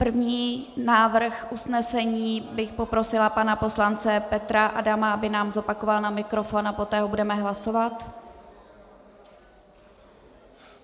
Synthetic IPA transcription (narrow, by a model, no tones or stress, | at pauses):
pr̩vɲiːnaːvr̩xʔusnɛsɛɲiːbɪxpo̞pɾo̞sɪlapanapo̞slant͡sɛpɛt̪ɾaʔadamaabɪnaːmzo̞pako̞valnamɪkɾo̞fo̞napo̞t̪ɛːɦobudɛmɛɦlaso̞vat̪